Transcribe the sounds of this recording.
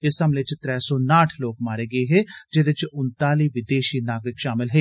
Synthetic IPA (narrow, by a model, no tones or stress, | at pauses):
ɪsɐmlet͡ʃt̪ɾɛːsɔːnaːʈʰloːkmaːɾeːɡɐeːɦɛːd͡ʒeːd̪ɪt͡ʃʊnt̪aːliːʋɪd̪eːʃiːnaːɡɾɪkʃaːmɪlɦɛː